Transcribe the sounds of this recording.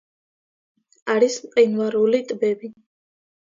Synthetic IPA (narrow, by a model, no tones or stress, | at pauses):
aɾismqʼinvaɾulit̪ʼbɛbi